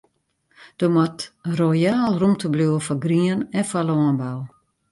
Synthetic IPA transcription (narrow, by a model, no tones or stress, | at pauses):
d̥omɔtrojaːlˠrumtəbluəfɔɡriənɛnfɔlɔːənbaw